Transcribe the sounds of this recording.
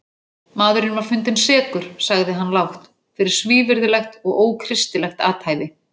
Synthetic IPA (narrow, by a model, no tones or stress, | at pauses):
maːðʏɾɪnvaɾ̥fʏnt̪ɪnsɛːkʏɾ̥saɣðɪɦanːlawxt̪ | fɪɾɪɾ̥sviːvɪɾðɪlɛxt̪ɔɣoːwkʰɾɪst̪ɪlɛxt̪aːt̪hajðɪ